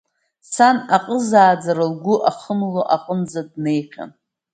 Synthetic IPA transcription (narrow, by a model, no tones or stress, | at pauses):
sanaqʼəzaːd͡zaɾalɡʷʊʔaχəmloʔaqʼənd͡zad̚ne̞jχʲa̰n